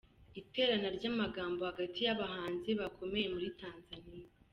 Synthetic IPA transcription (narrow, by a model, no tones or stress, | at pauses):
ite̞ːɾanaɾɟamaɡaːmbo̞haɡatʰijaβahaːnzeβakʰo̞me̞je̞muɾitaːnzanija